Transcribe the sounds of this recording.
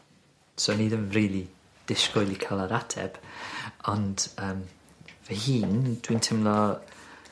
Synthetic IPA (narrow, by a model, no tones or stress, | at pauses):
soniːðənriːlˠi | d̥ɪskʊjlˠikʰalˠaɾatʰɛ̰b̥ɔnd̥əːm | vɛhiːnd̥wintʰɪmlˠɔ